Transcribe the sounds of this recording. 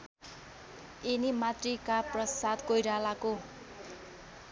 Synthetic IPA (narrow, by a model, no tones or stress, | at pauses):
inimat̪rikaprʌsad̪kojɾalako